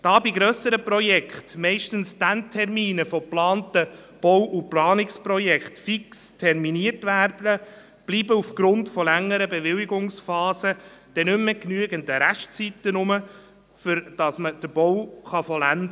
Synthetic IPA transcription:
d̥ɑːbiɡɾœsəɾəprɔjɛkχtmɛɪʃtənsd̥æntʰɛrmiːnəfɔplɑːntə | b̥ɔwʔuplɑːnɪkspɾɔjɛkχtfikstʰɛrminiərtʋæːrdə | b̥liːbəufɡ̥ɾʊntfɔlɛŋːəɾəbeʋɪliɡʊŋsfɑːsə | d̪̥ɛnʏmːɛknyəɡənd̪əɾæʃt͡sit̪ːənʊmə | fʏɾd̥ɑsməd̥əɾb̥ɔwχɑfɔlænd̪ə

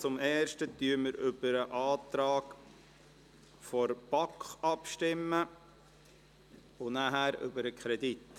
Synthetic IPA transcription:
t͡sʊmɛːʃtətyːɾməɾʏb̥əɾəʔɑːtɾɑːk | fɔɾb̥ɑkχɑpʃtɪmːə | ʊnæɦæɾʏ̰bəɾəkʰχɾɛdit

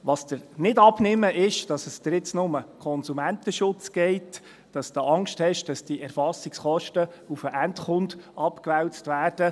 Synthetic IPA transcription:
ʋɑːsd̥əɾnɪdɑbnɪməʔɪʃd̥ɑsəsd̥əɾɪt͡snʊməkʰɔnsumæntəʃʊt͡sɡ̥ɛɪt | d̥ɑsd̪̥oɑŋkʃthɛʃd̥ɑsd̥iɛɾfɑsiksχɔʃtə | ufəʔæntχʊndɑpkʋɛwstʋæːrd̥ə

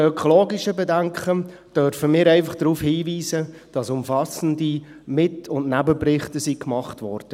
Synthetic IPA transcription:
œkʰɔloːɡɪʃəbedæŋkχə | d̥œɾfəmɪːɾɛɪfɑχd̥ɾuːfhiːʋiːzəd̥ɑsʊmfɑsəndi | mɪtʊndnæbəprɪχtəsikmɑχtʋɔɾd̥ə

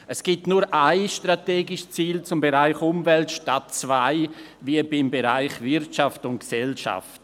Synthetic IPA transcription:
ɛsɡ̥itnuːɾʔaɪʃtɾateːɡɪʃt͡siːlt͡sʊmbeʁaɪxʊmvɛltʃtatt͡svaɪviəbɪmbeɾaɪxvɪɾtʃaftʊnt̚ksɛlʃa̰ft

